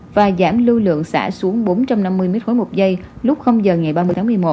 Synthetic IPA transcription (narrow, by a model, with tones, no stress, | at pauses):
vaː˨˩zaː˧˩mlɨ˧lɨ̰˧˨əŋsa̰ː˧˩su˨˦əŋɓo˨˦nt͡ɕa˧mna˧mːɨ˧əjme˦˥t̚xo˨˦jmo˨˩t̚zə˧jlʊ˦˥k͡p̚xə˧wŋ͡mzəː˨˩ŋa˨˩jɓaː˧mɨ˧ət̪ʰaː˨˦mɨ˨˩əjmo˨˩t